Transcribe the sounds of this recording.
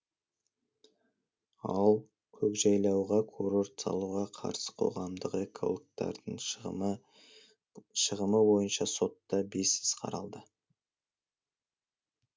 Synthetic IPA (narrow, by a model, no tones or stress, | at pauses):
ɑlˠ | kʲʰɵkʒɑjlˠɑwʁɑkʰoɾo̞ɾt̪sɑ̰lˠuʁɑqʰɑ̰ɾsə̥qʰo̞̰ʁɑmd̪əqe̞kʰo̞̰lˠkt̪ɑ̰ɾd̪əɴ | ʃəʁəməwo̞jənʃɑso̞t̪ːɑbe̞sɪz̥qʰɑ̰ɾɑlˠd̪ə